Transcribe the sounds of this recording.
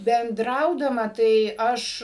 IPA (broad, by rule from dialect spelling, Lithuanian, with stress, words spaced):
bʲɛnˈdrɐʊdɐmɐ tɐɪ ˈɐʃ